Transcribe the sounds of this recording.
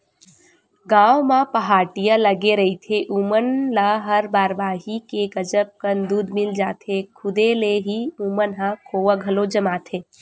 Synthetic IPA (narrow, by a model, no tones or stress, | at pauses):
ɡaːʋwmapəɦaːʈijaləɡeɾəɦit̪ʰeʔumənlaɦəɾbaːɾbaːɦikeɡəd͡ʒəp̚kənd̪uːd̪mɪld͡ʒaːt̪ʰekʰʊd̪eleɦiumənɦãkʰoːwəɡʱəlod͡ʒəmaːt̪ʰeː